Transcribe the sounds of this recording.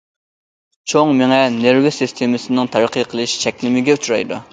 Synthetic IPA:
t͡ʃʰoŋmɪŋɛneɾvɪsɨst̪ʰemɪsɪnɪŋt̪ʰɑɾqʰəqʰəlˠɨʃt͡ʃʰɛkʲlɪmɪɡʲɛut͡ʃuɾɑ̰jd̪ṵ

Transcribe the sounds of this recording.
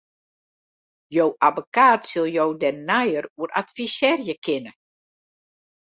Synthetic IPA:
jowʔavokaːtsɪlˠjowdɛnajəruəɾʔa̰tfisɛːrjəkʰɪnə

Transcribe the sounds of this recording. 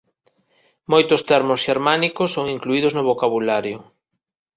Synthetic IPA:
mojt̪ʊst̪ɛɾmʊsʃeɾmanikʊsːoŋiŋkluiðʊznʊβokaβulaɾjʊ

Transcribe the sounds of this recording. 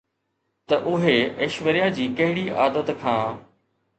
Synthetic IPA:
t̪ɐʔʊɦeeːʃʋəɾijad͡ʑiːkɐɦɪɽiʔaːd̪ət̪kʰãː

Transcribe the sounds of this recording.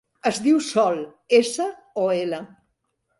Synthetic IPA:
əzðiwsɔl | esə | oelə

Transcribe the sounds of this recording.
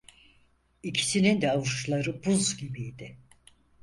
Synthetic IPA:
icʰi̥sinind̪ɛavuʃlˠaɾɯbuzɟibijd̪ɪ

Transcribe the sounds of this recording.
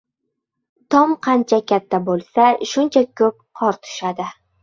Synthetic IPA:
t̪ʰɒmqʰɑnt͡ʃʰakʲʰat̪ʰːabolˠsaʃʊnt͡ʃʰakʰɵp̚qʰɒɾt̪ʰʊ̥ʃad̪ɪ

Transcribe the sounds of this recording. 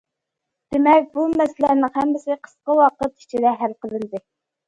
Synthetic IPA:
d̪̥emɛk̚ʲbumɛsɪlænɪŋhæmːɪsɪqʰə̥sqəwɑqət̪i̥t͡ʃʰid̪ɛɦælqəlˠɨnd̪ɨ

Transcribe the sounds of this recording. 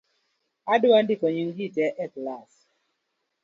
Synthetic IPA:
adwandikɔɲiŋɡitɛʔɛklas

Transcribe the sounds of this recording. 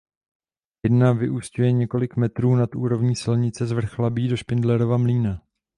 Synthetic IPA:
jɛdnavɪʔuːscujɛɲɛko̞lɪkmɛt̪ɾuːnat̪ʔuːɾo̞vɲiːsɪlɲɪt͡sɛzvr̩xlabiːdo̞ʃpɪndlɛɾovamliːna

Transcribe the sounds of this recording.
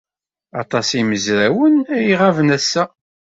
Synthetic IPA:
ɑ̰t̪ˤɑsiməzɾæwənæjiʁævənæsːæ

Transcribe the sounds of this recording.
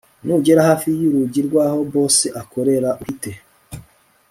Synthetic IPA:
nuɟe̞ɾahaːfijuɾuɟiɾɡwaːho̞bo̞ːse̞ʔako̞ɾe̞ɾauhite̞

